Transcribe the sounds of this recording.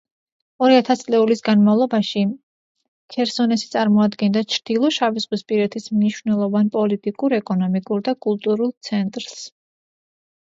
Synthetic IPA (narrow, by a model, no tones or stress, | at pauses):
ɔɾiat̪ʰast̪sʼlɛulisɡanmavlˠɔbaʃi | kʰɛɾsɔnɛsit̪sʼaɾmɔad̪ɡɛnd̪at͡ʃʰɾd̪̥ilˠɔʃaviz̥ʁwispʼiɾɛt̪ʰismniʃvnɛlˠɔvanpʼɔlit̪ʼikʼuɾɛkʼɔnɔmikʼuɾd̪akʼulˠt̪ʼuɾulˠt̪sʰɛnt̪ʼɾss